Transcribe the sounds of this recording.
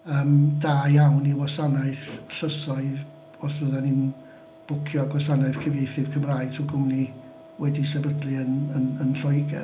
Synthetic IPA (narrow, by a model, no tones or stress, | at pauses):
əːmdaːjawniwɔsanaɨθɬəsɔɨð | ɔsvəðanɪn | b̥ʊkʰjɔaɡwasanaɨðkʰəviθɨv̥kʰəmraːɨ̥tʰuɡʊmni | wɛdisɛbədlˠɨənənənɬɔjɡɛ̰